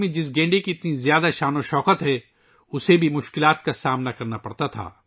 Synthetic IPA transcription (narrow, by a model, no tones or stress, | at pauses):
mẽd͡ʒɪs̬ɡẽːɳɖekiɪt̪nizjaːd̪aʃaːnoʃɔːkət̪ɦɛ | ʊsebʱimʊʃkɪlaːt̪kasaːmnakɐɾnapɐɽt̪at̪ʰa̰ː